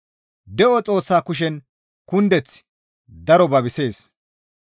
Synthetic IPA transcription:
d̪ɛʔɔt͡sʼo̞ːsːaːkʊʃ̬ɛn | kʊnd̪ɛt͡sː | d̪ɐɾɔbɐbɪse̞ːs

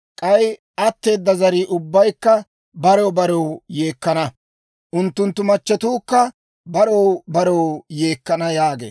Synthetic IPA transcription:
kʼɐj | ʔɐt̪ːe̞ːd̪ːɐzɐɾiːʔʊbːɐjkːɐ | bɐɾɔwbɐɾɔwje̞ːkːɐnɐ | ʔʊnt̪ːʊnt̪ːʊmɐt͡ʃːɛt̪uːkːɐ | bɐɾɔwbɐɾɔwje̞ːkːɐnɐjaːɡḛː

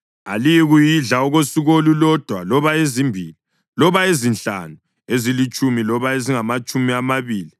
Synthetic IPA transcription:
a̰lijɛɣujiɮaɔɣosiɣolulɔd̥ʱwa̰lɔβaezimbʱiːli | lɔβaezinɬa̰nu | ezilit͡ʃʼumilɔβaeziŋamat͡ʃʼumiamaβiːli

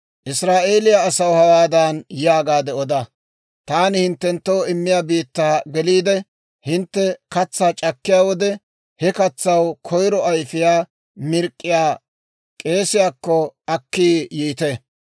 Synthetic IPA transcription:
ʔɪsɾaːʔe̞ːlɪjaːsɐwhɐwaːd̪anjɪjaːɡaːd̪ɛɔd̪ɐ | t̪aːnɪhɪnt̪ːɛnt̪ːoːɪmːɪjaːbiːt̪ːaːɡɛliːd̪ɛ | hɪnt̪ːɛkɐt͡sːaːt͡ʃʼɐkːɪjaːwɔd̪ɛ | hɛkɐt͡sːɐwkʰɔjɾɔɐjfɪjaː | mɪɾkʼːɪjaː | kʼe̞ːsɪjaːkːɔɐkːiːjiːt̪e

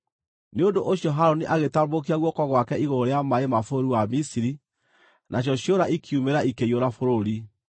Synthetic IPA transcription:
neondoʔoɕjɔɦaɾoniʔaɣetambok̬iaɣwɔkɔɣwakɛiɣoɾeamaemafooɾiwamisiɾi | nʔaɕ̬jɔɕjoɾaʔikʰiumeɾaʔikeioɾafoɾoɾi

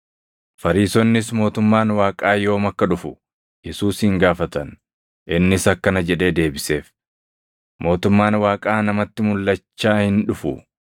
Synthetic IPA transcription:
fɐɾiːsɔnːɪsmo̞ːt̪ʊmːaːnwaːkʼaːjo̞ːmɐkːɐᶑʊfʊ̥ | jɛsuːshɪŋɡaːfɐt̪ɐn | ʔɪnːɪsɐkːɐnɐd͡ʒɛᶑe̞ːd̪e̞ːbɪse̞ːf | mo̞ːt̪ʊmːaːnwaːkʼaːnɐmɐt̪ːɪmʊlːɐt͡ʃːaːhɪnᶑʊfʊ

